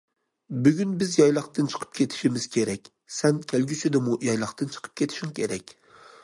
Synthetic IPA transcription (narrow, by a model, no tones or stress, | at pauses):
byɡʲynbɪzjɒjlˠɑqt̪ɨnt͡ʃʰə̥qʰə̥p̚kʲʰet̪ʰɪ̥ʃimɪz̥kʲʰeɾɛkʲ | sɛnkʲʰælɡʲyt͡ʃʰyd̪ɪmujɒjlˠɑqt̪ɨnt͡ʃʰɨ̥qʰə̥p̚kʲʰet̪ʰɪ̥ʃuŋkʲʰeɾɛkʲ